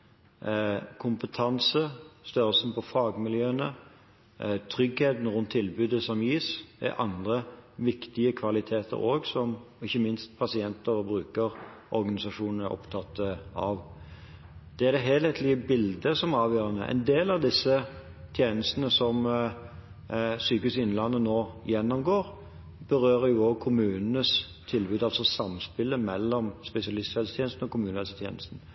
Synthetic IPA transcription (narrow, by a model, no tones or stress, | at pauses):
kʰʊmpət̪ʰɑnsəst̪œʁəlsənpʰɔfɑːɡmɪljøːənə | t̪ʰʁʏɡheːt̪n̩ɾʉnt̪ʰːɪlbʉːd̪əsɔmjiːsɛ̰ʔɑ̰nd̪ʁəʋɪkt̪ɪəkʰʋɑlɪt̪ʰeːt̪ʰə̰ʁoːɡsɔm | ɪçːəmɪnst̪̚pʰɑsɪɛnt̪əɾbɾʉːkəʁʔɔɾɡɑnɪsɑʂuːnən̩əɾʔɔ̰pt̪ʰɑt̪ʰːəɑʋ | d̪̥ɛæd̪ɛɦeːlɛt̪ʰlɪəbɪld̪əsɔmæɑːʋjøːɾɑnə̰ʔɛ̰ɪnd̪eːlɑʋd̪ɪsːə | t̪ʰjeːnəst̪ənəsɔm | syːkʉsɪnlɑnːənoːjɛnːɔmɡoːʁ | b̥əɾøːʁəjʊoːɡ̚kʰʊmʉːnnəs | t̪ʰɪlbʉːd̪ɑlsɔsɑmspɪlːəmɛlːɔmspɛsɪɑlɪst̪ɛlst̪ʰeːnst̪n̩ɔkʰʊmʉːnɛlsət̪ʰjḛːnəst̪n̩